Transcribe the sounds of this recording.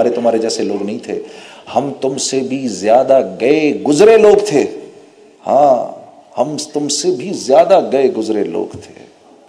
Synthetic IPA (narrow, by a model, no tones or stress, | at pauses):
aːɾet̪ʊmɦaːɾed͡ʒɛːseloːɡnɐɦĩt̪ʰeːhɐmt̪ʊmsebʱizjaːd̪aɡɐeɡʊzɾeloːɡt̪ʰeː | hã̰ː | hɐmt̪ʊmsebʱizjaːd̪aɡɐeɡʊzɾelo̰ːɡt̪ʰḛː